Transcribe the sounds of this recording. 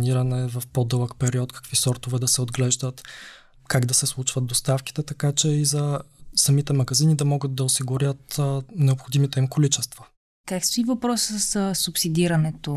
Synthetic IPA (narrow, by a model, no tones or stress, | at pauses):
niɾənɛvɐfpod̪ɤlˠəkpɛɾiɔt̪kɐ̥kvisɔɾt̪ovɛd̪ɐsɛod̪ɡlɛʒd̪ət̪ | kaɡd̪ɐsɛslˠut͡ʃvɐət̪̚d̪ost̪afki̥t̪ɛt̪ɐkat͡ʃɛizɐsɐmit̪ɛmɐɡɐzinid̪ɐmɔɡət̪̚d̪ɐosiɡʊɾʲjət̪nɛopxod̪imit̪ɛimkolit͡ʃɛst̪vɐ | kakst̪ʊivɐpɾɔssəssupsid̪iɾɐnɛt̪o